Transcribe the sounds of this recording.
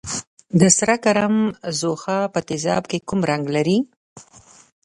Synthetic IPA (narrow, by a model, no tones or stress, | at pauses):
d̪əsɾakaɾamzoxɑpət̪ɪzɑ̰bkekumɾaŋɡlaɾi